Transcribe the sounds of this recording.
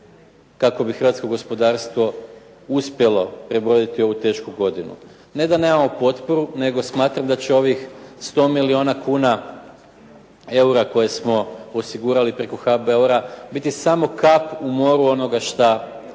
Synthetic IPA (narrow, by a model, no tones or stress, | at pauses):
kako̞bixɾ̩ʋat̪sko̞ɡo̞spo̞d̪aːɾst̪ʋo̞ | uspje̞lo̞pɾe̞bod̪it̪io̞ʋut̪e̞ʃkuɡo̞d̪inṵ | ne̞d̪ane̞mamopo̞t̪po̞ɾune̞ɡo̞smaːt̪ɾamd̪at͡ɕe̞o̞ʋixst̪o̞ːmilio̞nakuːna | e̞uɾako̞je̞smo̞osiɡuːɾalipɾe̞ko̞xabe̞uɾabit̪isamo̞kapumo̞ɾuo̞no̞ɡaʃt̪a